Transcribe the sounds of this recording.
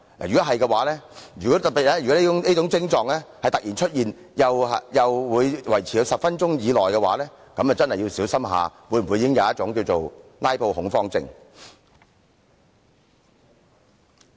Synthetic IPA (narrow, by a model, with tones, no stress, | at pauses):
la̰ː˨jy˨˩ɔ˨˥ɦɐ˨jkɛ˧waː˨˥lɛː˥jyː˨kɔ˨˥t̪ɐ˨t̚pːiː˨t̚lɛː˥jy˨kɔ˨˦˥liː˥t͡sʊ˨˥ŋniː˥t͡sʊ˨˥ŋt͡sɪ˥ŋt͡sɔː˨ŋlɛː˥hɐ˨jt̪ɐ˨k̚jiː˨˩nt͡ʃʰɵ˥t̚jiː˨n | jɐ˨wɐ˨jɐ˨wwuː˨˧jwɐ˨˩jt͡sʰiː˨˩ɐ˨˧wsɐ˨p̚fɐ˥nt͡ʃʊ˥ŋjiː˨˧lɔː˨jkɛ˧waː˨˥lɛː˥ | kɐ˨˥mɛ˨wt͡sɐ˥nhɐ˨ji˧wsiː˨˥wsɐ˥mɦa̰ː˨wuː˨˧jm̩˨u˨˧jiː˨˦kɪ˥ŋjɐ˨˧wjɐ˥t̚t͡ʃʊ˨˥ŋkiː˧wt͡so˨wlaː˥jpʰo˧whʊ˨˥ŋfɔː˧ŋt͡sɪ̰˧ŋ